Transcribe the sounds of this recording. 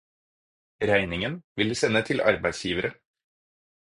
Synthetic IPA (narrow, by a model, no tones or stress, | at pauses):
ɾæɪnɪŋənʋɪləsɛnːət̪ʰɪlʔɑ̰ɾbæɪd̪sjiːʋəɾə